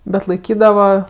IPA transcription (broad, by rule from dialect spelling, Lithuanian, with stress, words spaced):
ˈbʲɛt lˠɐɪˈkʲiːdɐʋɐ